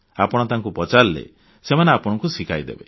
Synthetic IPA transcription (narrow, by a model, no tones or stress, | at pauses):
apɔɽ̃ɔt̪aŋkupɔt͡ʃallḛ | semaneapɔɽ̃ɔŋkusikʰajd̪ḛbe